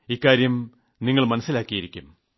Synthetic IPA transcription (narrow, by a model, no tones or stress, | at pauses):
ikːaːɾjɐm | niŋːɐɭmɐnɐsːilaːkːijiɾikʲːum